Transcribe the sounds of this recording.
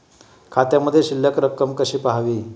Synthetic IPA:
kʰat̪jaməd̪ʱjeɕilːəkɾəkːəmkəɕiːpaɦaʋiː

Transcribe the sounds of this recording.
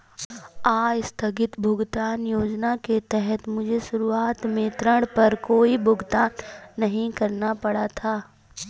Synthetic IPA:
aːjst̪ʰɐɡɪt̪bʱʊɡt̪aːnjoːd͡ʒnaket̪ɛɦɛt̪mʊd͡ʒʱeʃʊɾuaːt̪mẽt̪ɾə̃ɽpɐɾkoːibʱʊɡt̪aːnːɐɦĩkɐɾnapɐɽat̪ʰaː

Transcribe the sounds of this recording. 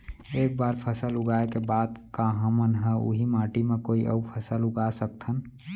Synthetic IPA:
eːk̚baːɾpʰəsəlʊɡaːekebaːd̪kaɦəmənɦɛ̃ṵɦimãːʈimẽkoːiʔə̰upʰəsəlʊɡasəkt̪ʰən

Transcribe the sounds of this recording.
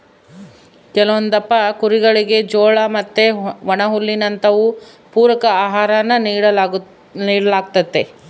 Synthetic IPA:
kɛlɐʋond̪ɐpːɐkuɾiɡɐɭiɡe̞d͡ʒɔːɭɐmɐt̪ːeʋɐɳɐɦulːinɐnt̪ɐʋu | puːɾɐkɐaːɦaːɾɐnːɐɐ | niːɽɐlaːɡ̚t̪ɐt̪ːe

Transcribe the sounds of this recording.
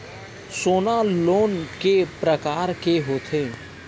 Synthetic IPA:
soːnaloːnkepɾəkaːɾkeɦoːt̪ʰeː

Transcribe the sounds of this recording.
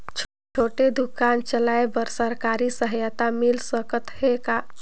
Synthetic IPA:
t͡ʃʰ | t͡ʃʰoːʈed̪ukant͡ʃəlaebəɾsəɾkaɾisəɦəjət̪amilsəkət̪heka

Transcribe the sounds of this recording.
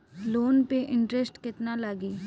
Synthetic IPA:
loːnpeʔɪ̃ɳʈɾesʈkɪt̪nalaɡiː

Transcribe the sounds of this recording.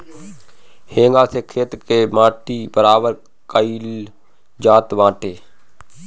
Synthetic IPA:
hẽːŋɡaːsekʰɾeːt̪kemãːʈibəɾaːbəɾ | kəiːl | d͡ʒaːt̪ʋãːʈeː

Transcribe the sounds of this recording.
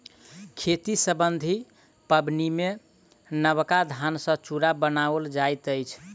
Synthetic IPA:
kʰet̪isəbənd̪ʱi | pəbnime | nəβkad̪ʱansə̃t͡ʃuɾabənaəld͡ʒajt̪əjt͡ʃʰ

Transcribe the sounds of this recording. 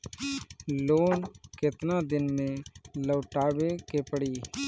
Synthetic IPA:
loːnkɪt̪nad̪ɪnmẽləːʈaːbekɪpɽiː

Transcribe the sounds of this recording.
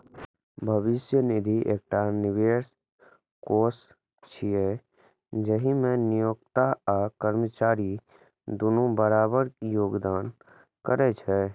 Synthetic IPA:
bʱəʋɪsjənɪd̪ʱiʔḛːk̚ʈaːnɪʋeːɾs | koːs | t͡ʃʰie | d͡ʒəɦimẽnijoːɡt̪aakəɾmət͡ʃaːɾi | d̪ʊnobəɾaːbəɾkijoːɡd̪aːn | kəɾɛt͡ʃʰɛ

